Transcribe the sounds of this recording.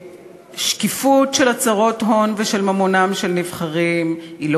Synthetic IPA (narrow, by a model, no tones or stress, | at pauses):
ʃkifutʃe̞lat͡saʁo̞tɦo̞nveʃelmamonamʃelnivχaʁimilo